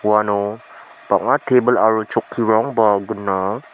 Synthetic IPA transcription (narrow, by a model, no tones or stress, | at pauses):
wano | b̥aʔat̪ʰebəlaɹot͡ʃokʰːiɹɔŋbaɡuna